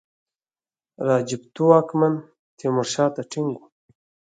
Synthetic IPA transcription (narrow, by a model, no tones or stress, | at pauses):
ɾɑːd͡ʒipt̪uwɑkman | t̪ʰemʊɾʃɑːt̪aʈʰiŋɡu